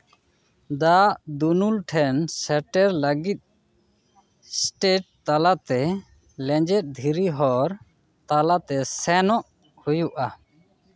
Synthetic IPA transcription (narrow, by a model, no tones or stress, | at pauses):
d̪aʔd̪unulʈʰɛnsɛʈɛɾləɡit̪̚ | sʈeʈ̚t̪alat̪ɛ | lɛ̃d͡ʒɛt̪̚ˀd̪ʱiɾiɦɔɾ | t̪alat̪ɛsɛnɔʔ | hujuʔa